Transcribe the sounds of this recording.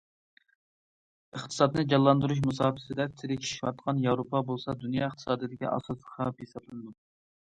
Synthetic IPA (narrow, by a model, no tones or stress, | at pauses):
əχt̪ʰɨ̥sɑd̪nɨd͡ʒɑlˠːɑnd̪uɾuʃ̬musɑːpʰɪ̥sɪd̪ɛp̚t̪ʰɪɾɪkʲt͡ʃʰiʃwɑt̪qʰɑnjɑwɾopʰɑbolˠsɑd̪unjɑəχt̪ʰɨ̥sɑːd̪ijd̪ɪkʲḭʔɑ̰sɑsə̥χɑpjesɑblˠɨnɨd̪u